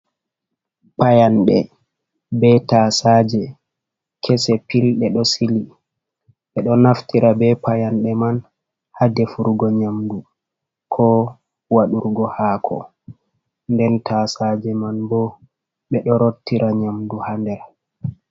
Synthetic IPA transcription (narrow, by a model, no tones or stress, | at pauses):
pajanɗɛ | bɛtaːsad͡ʒɛ | kʰɛsɛpilɗɛɗɔsili | ɓɛɗɔnaftiɾabɛpajanɗɛman | hadɛfuɾɡɔɲamdu | kʰɔ | waɗuɾɡɔhaːkʰɔ̰ | ndɛntʰasad͡ʒɛmanbɔ | ɓɛɗɔɾotːiɾʔaɲamduhandɛɾ